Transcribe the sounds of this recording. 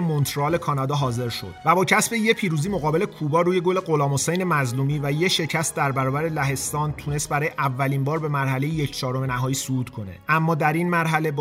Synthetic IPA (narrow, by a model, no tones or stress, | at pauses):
mont̪ʰɾɒːle̞kʰɒːnɒd̪ɒːɦɒːze̞ɾʃo̞̰d̥̪væbɒːcʰæsbe̞je̞pʰiːɾuːziːmo̞ɣɒːbe̞le̞kʰuːbɒːɾuːje̞ɡole̞ɢo̞lɒːmho̞sejne̞mæzluːmiːvæjeʃe̞cʰæst̪̚d̪æɾbæɾɒːbæɾe̞læɦe̞st̪ɒːnt̪ʰuːnest̪̚bæɾɒːjeʔævːæliːmbɒːɾbe̞mæɾɦæle̞jejecʰt͡ʃʰɒːɾo̞menæɦɒːjiːsuuːt̪kʰo̞ne̞̰ʔæmːɒːd̪æɾinmæɾɦæle̞b